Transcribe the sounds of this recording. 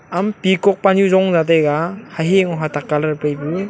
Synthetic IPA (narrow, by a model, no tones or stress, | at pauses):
ampikɔk̚panjuzɔŋzadejɡahaɦeŋɔɦatakːalaɾpajbu